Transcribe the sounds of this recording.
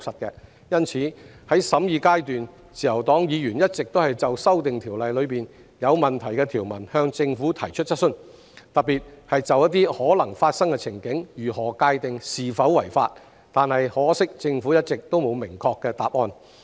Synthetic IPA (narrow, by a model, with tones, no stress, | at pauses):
sɐ˨t̚kɛː˧ | jɐ˥nt͡sʰiː˨˥hɐ˨˥jsɐ˨˧˥mjiː˧kaː˥jt̪yː˨n | t͡sʰiː˨jɐ˨˩wt̪ɔː˨˥ŋjiː˨˧jyː˨˩njɐ˥t̚t͡sɪ˨k̚t̪o˥whɐ˨jt͡sɐ˨wsɐ˥wt̪ɪ˨ŋt̪ʰiː˨˩wlɐ˨jlɵ˨˧piː˨n | jɐ˨˧wmɐ˨nt̪ʰɐ˨˩jkɛ˧t̪ʰiː˨˩wmɐ˨˩nhœː˧ŋt͡sɪ˧ŋfuː˨˥t̪ʰɐ˨˩jt͡ʃʰɵ˥t̚t͡sɐ˥t̚sɵ˥n | t̪ɐ˨t̚pːiː˨t̚hɐ˨jt͡sɐ˨˧wjɐ˥t̪̚iː˥hɔː˨˥lɐ˨˩ŋfaː˧t̚sɐ˥ŋkɛ˧t͡sʰɪ˨˩ŋkɪ˨˥ŋjyː˨˩hɔː˨˩kaː˧jt̪ɪ˨ŋsiː˨˩fɐ˨˥wwɐ˨˩jfa̰ː˧t̚ | t̪aː˨nhɐ˨jhɔː˨˥sɪ˥k̚t͡sɪ˧ŋfu˨˥jɐ˥t̚t͡sɪ˨k̚t̪o˥wmo˨˧wmɪ˨˩ŋkʰɔː˧kːɛː˧t̪aː˨p̚ʔɔː˧n